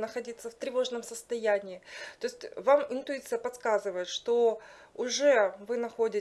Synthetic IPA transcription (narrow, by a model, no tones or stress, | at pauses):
nəxɐdʲit̪sːəft̪ɾʲɪvo̞ʐnəmsəst̪ɐjænʲɪːt̪o̞ɪsʲtʲvamɪnt̪ʊit̪sɨjəpɐt̪skazɨvəjɪt̪ʂt̪o̞ | ʊʐɛvɨnɐxo̞dʲɪ